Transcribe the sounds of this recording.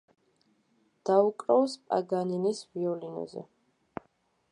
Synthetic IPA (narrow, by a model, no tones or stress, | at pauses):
d̪̥aukʼɾɔwspʼa̰ɡaninisviɔlinɔ̰zɛ̰